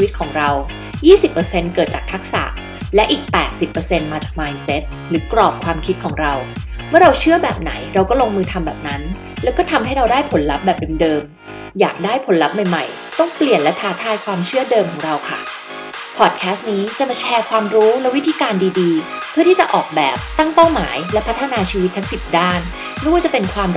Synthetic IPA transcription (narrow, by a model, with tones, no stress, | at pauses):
t͡ɕʰwi˦˥t̪̚kʰɔː˩˦ŋɾa˧w | jiː˥˩si˨˩pːɤː˧se˧nkɤː˨˩t̪̚t͡ɕaː˨˩t̪ʰa˦˥k̚sa̰˨˩ | lɛ˦˥ʔiː˨˩k̚pɛː˨˩t̪̚si˨˩pːɤː˧se˧nmaː˧t͡ɕaː˨˩k̚maː˧jnse˦˥t̪̚ | ɾɯː˩˦kɾɔː˨˩p̚kʰwaː˧mkʰi˦˥t̪̚kʰɔː˩˦ŋɾa˧w | mɯ˥˩ɐɾa˧wt͡ɕʰɯ˥˩əbɛː˨˩p̚na̰˩˦jɾa˧wkɔː˥˩loː˧ŋmɯː˧t̪ʰa˧mbɛː˨˩p̚na˦˥n | lɛ˦˥wkɔː˥˩t̪ʰa˧mɦa˥˩jɾa˧wdaː˥˩jpʰo˨˩˦nla˦˥p̚bɛː˨˩p̚e˧ndɤː˧m | jaː˨˩k̚daː˥˩jpʰo˩˦nla˦˥p̚ma˨˩jma̰˨˩j | t̪ɔ˥˩ŋpli˨˩ənlɛ˦˥t̪ʰaː˧˥t̪ʰaː˥˧jkʰwaː˧mt͡ɕʰɯ˥˩ɐdɤː˧mkʰɔː˩˦ŋɾa˧wkʰa˥˩ | pʰɔ˨˩t̪̚kʰɛː˦˥st̪̚niː˦˥t͡ɕa˨˩maː˧t͡ɕʰɛː˧kʰwaː˧mɾuː˦˥lɛ˦˥wi˦t̪ʰiː˧kaː˧ndiː˧diː˧ | pʰɯ˥˩t̪ʰiː˥˩t͡ɕa˨˩ʔɔː˨˩k̚bɛ̰ː˨˩p̚t̪a˥˩ŋpa˥˩wma̰ː˩˦jlɛ˦˥pʰa˦˥t̪ʰːa˧naː˧t͡ɕʰiː˧wi˦˥t̪ʰːa˦˥ŋsi˨˩p̚daː˥˩n | m˥˩jwaː˥˩t͡ɕa˨˩pe˧nkʰwaː˧m